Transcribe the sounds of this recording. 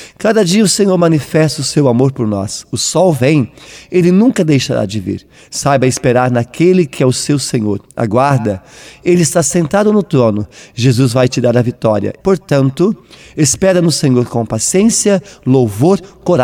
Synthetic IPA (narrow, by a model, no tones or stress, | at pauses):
kad̪ɐd͡ʒiɐʊsẽɲoɾmɐ̃nifɛst̪ɐʊsewamoɾpoɾnɔ̰sʊsɔwvẽj̃elɪnũkɐd̪ejʃaɾa̰d͡ʒɪvḭɾ | sajbɐɪspeɾaɾnɐkʰelɪkʰɪɛʊsewsẽɲoɾa̰ɡwaɾd̪ɐelɪːst̪asẽnt̪ad̪ʊnʊt̪ɾõnʊʒezuzvajt͡ʃɪd̪aɾɐvit̪ɔɾiɐ̰poɾt̪ɐ̃nt̪ʊespɛɾɐnʊsẽɲoɾkõpasiẽsiɐlowvoɾkoɾa